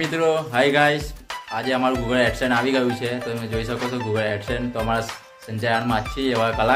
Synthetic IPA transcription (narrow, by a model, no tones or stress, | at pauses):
it̪ɾoɦajɡajʃad͡ʒeəmaɾũɡuɡəlɛʈsəɳaʋiɡəjũt͡ʃʰet̪oemed͡ʒoiʃəkot͡ʃʰoɡuɡəlɛksəɳt̪oəmaɾa | səɲd͡ʒajanmãt͡ʃʰieʋakəla